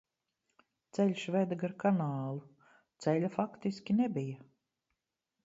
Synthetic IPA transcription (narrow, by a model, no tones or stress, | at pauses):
t̪sɛlʲʃvɛd̪aɡaɾkanaːlˠu | t̪sɛlʲafakt̪iskʲinɛbija